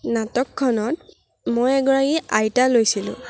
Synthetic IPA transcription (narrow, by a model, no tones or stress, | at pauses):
natɔkʰːɔnɔt̚ | mojɛɡɔɹaɡiʔajtalojsilʊ̰̃